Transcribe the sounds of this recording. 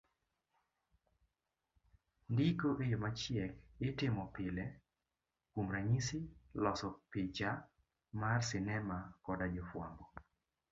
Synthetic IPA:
ndikoʔejomat͡ʃjɛkɪtɪmɔpɪlɛ | kumɾaɲisɪlɔsɔpɪd͡ʒa | marsɪnɛmakɔdad͡ʒɔfwambɔ

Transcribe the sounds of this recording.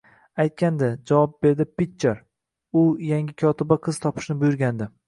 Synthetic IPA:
ajt̪̚kʲand̪ɪd͡ʒavɒp̚be̞ɾd̪ɪpitt͡ʃːeɾ | ʊjaŋʲɪkʲʰɒt̪ɪbaqʰɨz̥t̪ʰɒpʰɪ̥ʃnɪbʊjʊɾɡʲand̪ɪ

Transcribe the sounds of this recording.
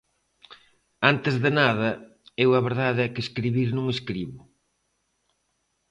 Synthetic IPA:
ant̪ɪzðɪnaðɐ | ewɐβeɾðaðɛkeskɾiβiɾnũŋeskɾiβʊ

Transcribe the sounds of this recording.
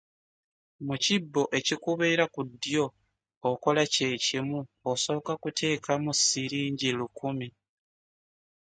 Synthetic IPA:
mucibːo̞ʔe̞cikuβeːɾakud̪jo̞ː | ko̞lace̞ːcimuoso̞βːkakutʰe̞ːkamusiɾiːɲɟilukumi

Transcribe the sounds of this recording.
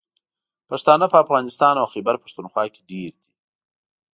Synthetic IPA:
paʂt̪ɑnapəafɣɑnɪst̪ɑnawxebaɾpḁʂt̪unxwɑke̥ɖeɾd̪i̥

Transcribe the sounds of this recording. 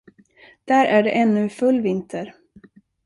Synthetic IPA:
d̪̥æːɾʔæɖɛ̰ʔɛnːɵfɵlːvɪnt̪ʰəɾ

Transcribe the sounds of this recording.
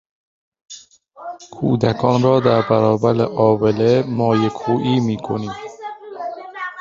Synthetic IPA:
kʰṵːd̪ækʰɒːnɾɒːd̪æɾbæɾɒːbæɾeʔɒːbelemɒːjekʰuːʔiːmiːkʰoniːm

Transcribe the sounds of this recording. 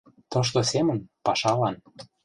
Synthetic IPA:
t̪ŏʃ̬t̪osemə̆npɑʃɑlɑn

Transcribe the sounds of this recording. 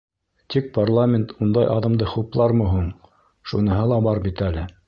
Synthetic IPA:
t̪ik̚parlˠamʲent̪und̪ɑjʔɑðɤ̆md̪ɤχuplˠɑɾmɤ̆ɦuɴ | ʃunɤ̆ɦɤlˠɑbɑɾbit̪ælɘ

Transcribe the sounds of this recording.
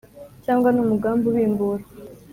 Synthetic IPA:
caːŋɡwanuːmuɡaːmbuwiːmbuɾa

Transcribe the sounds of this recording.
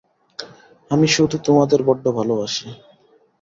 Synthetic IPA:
amiʃod̪ʱut̪omad̪eɾbɔɖːobʱaloaʃe

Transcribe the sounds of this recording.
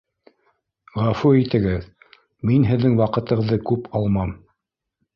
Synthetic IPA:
ʁæfuit̪ɘ̆ɡɘð | minɦɘ̆ðːɘŋwɑqɤ̆t̪ɤ̆ʁɤ̆ðːɤkʉpɑlˠmɑm

